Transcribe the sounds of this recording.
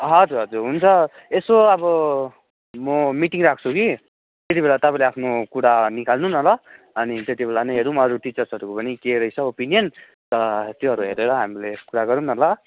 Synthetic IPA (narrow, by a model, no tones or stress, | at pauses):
ɦʌd͡zuɾɦʌd͡zuɾɦunt͡sʰʌ | esoʌbʌ | mʌmiʈiŋrakʰt͡sʰuki | t̪et̪ibelat̪ʌpãĩleapʰnokuɽanikalnunʌlʌ | ʌnit̪et̪ibelanʌjɦʌɾumʌʌɾuʈit͡sʌrsʌɾukopʌnikeɾʌjt͡sʰʌopinijʌn | t̪ʌt̪joɦʌɾuɦeɾeɾʌɦamilekuɾaɡʌɾunʌlʌ